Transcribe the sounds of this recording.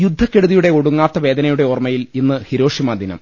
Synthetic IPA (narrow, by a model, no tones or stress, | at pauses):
jud̪ʱːɐkːe̞ɽuðijuɽe̞oɽuŋːaːrt̪ːɐʋe̞ːd̪ɐnɐjuɽe̞ormɐjilinːɨhiɾo̞ːʂimaːd̪ʱinɐ̰m